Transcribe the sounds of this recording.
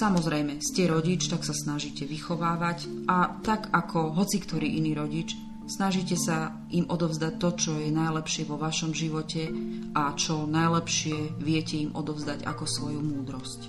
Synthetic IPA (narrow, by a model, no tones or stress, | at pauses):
samɔzɾɛjmɛscɛɾɔɟit͡ʃt̪aksasnaʒiːcɛʋixɔʋaːʋacʔat̪aɡakʰɔɦɔt͡sikt̪ɔɾiːʔiniːɾɔɟit͡ʃ | snaʒiːcɛsa | imɔd̪ɔʊzd̪ac̚t̪ɔt͡ʃɔjɛnajlɛpʃɪɛʋɔʋaʃɔmʒiʋɔcɛʔat͡ʃɔnajlɛpʃɪɛʋɪɛcɛimʔɔ̰d̪ɔʊzd̪aɟa̰kɔsʋɔjumuːd̪ɾɔsc